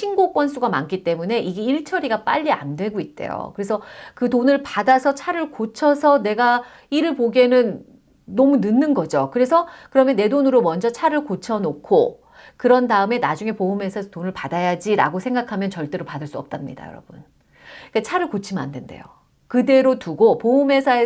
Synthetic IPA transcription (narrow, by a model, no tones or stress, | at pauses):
t͡ɕʰinɡok͈wʌns͈uɡama̰nk͈it͈e̞mune̞ʔiɡe̞iɭt͡ɕʰʌɾiɡap͈a̰ʎːia̰ndwe̞ɡoit̚t͈e̞̰jo̰kɯɾe̞sʰʌkɯtonɯɭpadasʰʌt͡ɕʰaɾɯɭkot͡ɕʰʌsʰʌne̞ɡa | iɾɯɭpoɡe̞nɯnː | ʌmunɯnːɯnɡʌd͡ʑokɯɾe̞sʰʌkɯɾʌmjʌnːe̞donɯɾomʌnd͡ʑʌt͡ɕʰaɾɯɭkot͡ɕʰʌnokʰo | kɯɾʌndaɯme̞nad͡ʑuŋe̞poumɦe̞sʰaesʰʌtonɯɭpadajad͡ʑiɾa̰ɡosʰe̞ŋɡakʰamjʌnt͡ɕʌɭt͈e̞ɾopadɯɭs͈uʌp̚t͈amɲḭda̰jʌ̰ɾʌb̥un | ik͈at͡ɕʰaɾɯɭkot͡ɕʰima̰ndende̞̰jo̰ | kɯde̞ɾotuɡopoumɦe̞sʰae